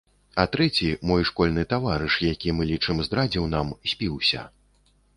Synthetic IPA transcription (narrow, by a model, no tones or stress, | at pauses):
at̪ɾɛt͡sʲimɔjʂkɔlʲnɨt̪avaɾɨʂjakʲimɨlʲit͡ʂɨmzd̪ɾad͡zʲiwnamsʲpʲiwsʲɐ̰